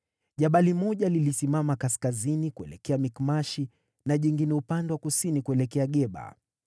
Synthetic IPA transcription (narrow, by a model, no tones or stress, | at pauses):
ʄaɓalimɔʄalilisimamakaskazinikuɛ̰lɛ̰kɛamikmaʃi | naʄiŋɡinɛupandɛwakusinikuɛlɛkɛaɠɛɓa̰